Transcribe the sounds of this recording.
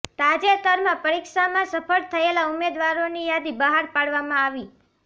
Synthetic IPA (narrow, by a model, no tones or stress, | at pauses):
t̪ad͡ʒet̪əɾmãpəɾikʃamãsəpʰəɭt̪ʰəelaumed̪ʋaɾonijad̪ibəɦaɾpaɽʋamãaʋi